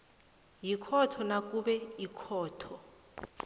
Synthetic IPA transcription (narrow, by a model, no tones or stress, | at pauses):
jikʰɔtʰɔnak̬ʼuɓɛikʰɔːtʰɔ